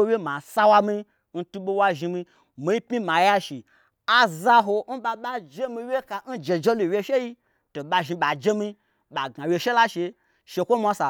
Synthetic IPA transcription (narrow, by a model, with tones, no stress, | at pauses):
o˦wje˦ma˨sa˦wa˧mi˧ | n̩˦tu˦ɓo˧wa˧ʒi˧mi˧ | mi˨i˦pi˦ma˨ja˦ʃi˨ | a˦za˦ɦo˧n̩˦ɓa˧ɓa˦d͡ʒe˦mĩ˧wʲje˦ka˧n̩˦d͡ʒe˨d͡ʒe˦lu˨we˦ʃe˦ji˦ | to˨ɓa˧ʒi˧ɓa˨d͡ʒe˦mi˧ | ɓa˨ɡa˨wʲje˧ʃe˦la˦ʃe˧ | ʃe˧kʷo˦mʷa˨˦sa˨